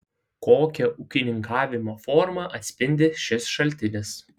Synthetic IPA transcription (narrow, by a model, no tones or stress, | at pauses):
koːkʲɛʔʊkʲɪnʲɪŋkɑːʋʲɪmoːfɔɾmɐʔɐt̪ʲsʲpʲɪnʲd̪ʲɪʃʲɪsʃɐlʲˑt̪ʲɪnʲɪs